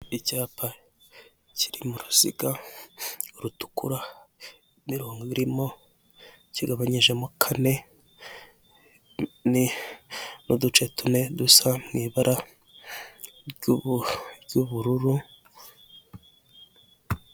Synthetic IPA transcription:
icaːpa | ci̥ɾimuɾuz̥ḭɡa | uɾutu̥kuɾa | miɾoːŋɡoβiɾimo̞ | ciɡaβaɲiʒe̞mukʰane̞ | ni | nudut͡ʃe̞tune̞dusamŋiːβaɾʔa | juβuɾuɾu

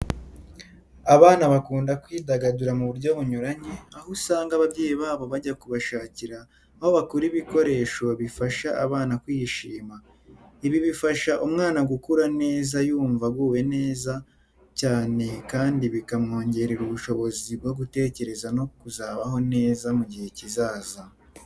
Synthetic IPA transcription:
aβaːnaβakuːndakwiːdaɡaduɾamuβuɾɟo̞βuɲuɾaɲeahusaːŋɡaβaβɟeːjiβaːβo̞βaɟakuβaʃaːciɾaː | ho̞βakuɾiβiko̞ɾe̞ːʃo̞βifaʃaaβaːnakwiʃiːma | iβiβifaʃaʔumŋaːnaɡukuɾane̞ːzajuːɱvaɡwuːwe̞ne̞ːza | caːne̞kaːndiβikamŋo̞ːɲɟe̞ɾiɾuβuʃo̞βo̞zibɡo̞ɡute̞ːce̞ɾe̞zano̞kuzaːβaɦo̞ne̞ːzamuɟihe̞cizaːza

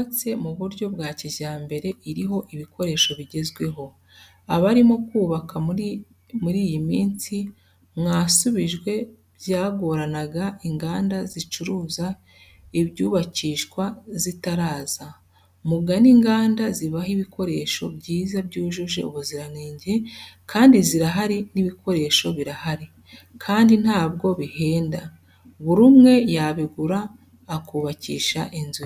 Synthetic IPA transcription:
at͡se̞muβuɾɟo̞bɡwaːcizaːmbe̞ɾe̞ʔiɾiɦo̞ʔiβikʰo̞ɾe̞ʃo̞βiɟe̞zɡwe̞ɦo̞ | aβaɾimo̞kuːβakʰa | muɾiːjimiːnsi | mŋaːsuβiʒɡwe̞ | bjaːɡo̞ɾanaɡaʔiŋɡaːndazit͡ʃuɾuːza | iβɟuːβaciːʃkwazitaɾaːz̥a | muɡaniŋɡaːndaziβahiβikʰo̞ɾe̞ʃo̞̰bɟiːzabɟuːʒuʒe̞uβuziɾaneːɲɟe̞kʰaːndiziɾaɦaɾiniβikʰo̞ɾe̞ːʃo̞βiɾahaɾi | kʰaːndin̥haːbɡo̞βihe̞ːnda | βuɾumŋe̞jaβiɡuɾaː | kuːβacḭːʃa̰ʔinzu

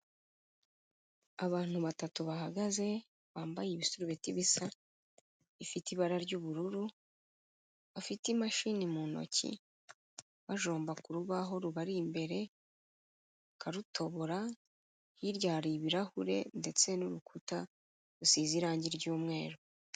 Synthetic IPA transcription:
aβaːn̥huβatatuβaɦaɡaze̞ | βaːmbajeβisuɾuβetiβisa | ifitiβaɾaɾɟuβuɾuɾu | βafitimaʃinimuno̞̰cḭ | βaʒo̞ːmbakuɾuβaɦo̞ɾuβaɾimbe̞ɾe̞ | kʰaɾutʰo̞βoɾa | hiɾjaːɾiβiɾahuɾe̞̰nde̞t͡se̞nuɾukʰuta | ɾusiːziɾaːɲɟiɾɟuːmŋe̞ːɾo

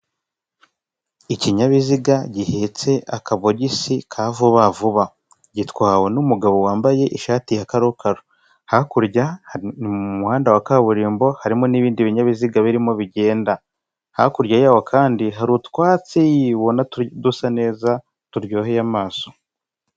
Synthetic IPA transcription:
iciɲaβiziɡaɟihet͡se̞ʔakaβo̞ɟisikʰavuβavuβa | ɟitwaːwenumuɡaβo̞waːmbaje̞ʔiʃaːtijakaɾokaɾo | hakuɾɟaniumuhaːndawakaβuɾiːmbo̞haɾimo̞niβiːndiβiɲaβiziɡaβiɾimo̞βiɟe̞ːnda | hakuɾɟajaːwokʰaːndiɦaɾutkwaːt͡sejiβo̞nadusane̞ːza | tuɾɟoːɦejamaːso

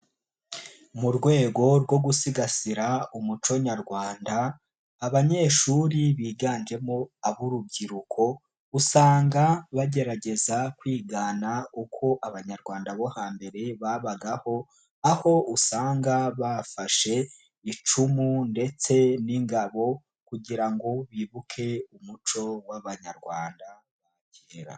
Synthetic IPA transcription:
muɾɡwe̞ːɡo̞ɾɡo̞ɡusiɡasiɾaumut͡ʃo̞ɲaɾɡwaːndaː | βaɲe̞ːʃuɾiβiːɡaːnd͡ʒe̞moaβuɾub̚ɟiɾukʰo̞ | usaːŋɡaβaɟe̞ɾaɟe̞zakwiːɡaːnaukʰo̞ʔaβaɲaɾɡwaːndaβo̞haːmbe̞ɾe̞βaβaɡaho̞ | aho̞usaːŋɡaβafaʃe̞ | it͡ʃumunde̞t͡se̞niŋɡaβo̞ | kuɟiɾaŋɡo̞βiːβukʰe̞umut͡ʃo̞waβaɲa̰ɾɡwaːnda | βa | ceːɾa̰

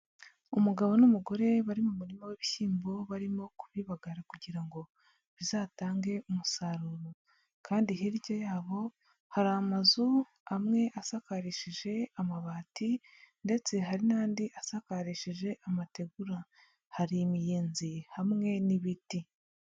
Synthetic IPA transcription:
umuɡaβo̞numuɡo̞ɾe̞βaɾimumuɾimaweβiçiːmbo̞βaɾimo̞kuβiːβaɡaɾakuɟiɾaŋɡo̞ | βizaːtaːŋɡe̞umusaɾuɾo | kʰaːndiɦiɾɟojaːβo̞ | haɾaːmazu | amŋe̞ʔasakaɾiʃiʒe̞amaβaːti | nde̞t͡se̞ɦaɾinaːndiʔasakaɾiʃiʒe̞ʔamate̞ɡuɾa | haɾimijeːnzihamŋe̞niβiti

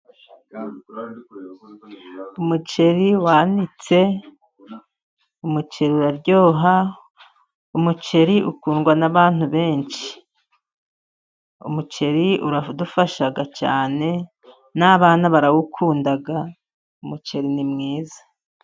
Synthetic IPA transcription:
umut͡ʃe̞ɾiwaːnit͡se̞ | umut͡ʃe̞ɾiuɾaɾɟo̞ːɦa | umut͡ʃe̞ɾiʔṵkuːŋɡwanaβaːn̥huβe̞ːnt͡ʃi̥ | ṵmut͡ʃe̞ɾiuɾadufaʃaɡat͡ʃa̰ːne̞ | naβaːnaβaɾawukʰuːndaɡa | umut͡ʃe̞ɾinimŋiːzḁ

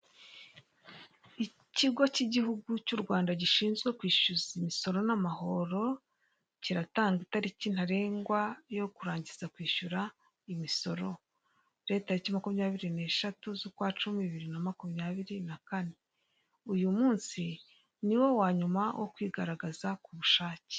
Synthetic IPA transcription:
i | ciɡo̞ciɟihuɡucuɾɡwaːndaɟiʃiːnzɡwe̞kwiːʃuzimiso̞ɾo̞namaho̞ɾo̞ | ciɾataːŋɡitaɾicin̥haɾe̞ːŋɡwajo̞kuɾaːɲɟiz̥akwiːʃuɾa | imiso̞ɾo̞ | ɾe̞taɾicimakumɲaːβiɾine̞ːʃatuzukwaːt͡ʃumiβiɾinamakumjaːβiɾinakane̞ | ujumuːnsi | niwo̞waːɲumawʔokwiːɡaɾaɡazakuβuʃaːce̥

